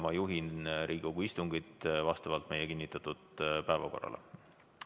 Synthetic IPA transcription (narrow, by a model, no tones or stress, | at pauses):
mɑjuɦinɾiːɡ̥oɡ̥uist̪uŋɡit̪ˑvɑst̪ɑvɑlt̪ˑme̞jekinʲːit̪ːˑɑt̪ːˑud̪̥pæevɑ̰ko̞̰rːɑ̰lḛ